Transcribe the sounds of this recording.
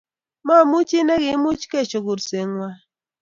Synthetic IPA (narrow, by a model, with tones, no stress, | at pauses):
ma˦˨mu˦t͡ʃi˦ne˦ɣi˨˦mu˦t͡ʃke˦˨t͡ʃo˨ku˨ɾse˨ŋwa˦